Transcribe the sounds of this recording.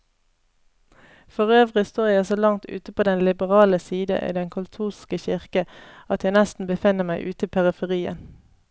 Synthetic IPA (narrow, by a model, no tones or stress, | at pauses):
fɔʁøːʋʁɪst̪oːjæɪsoːlɑŋt̪ʰʉ̰ːt̪əpʰoːd̪ɛnlɪbəʁɑːləsiːd̪ə̰ʔḭːd̪ɛŋkʰʊlt̪ʰuːskəçɪʁkəɑt̪jæɪnɛst̪n̩bəfɪnəmæɪʔʉːt̪əpʰæʁəfəʁiːə̰n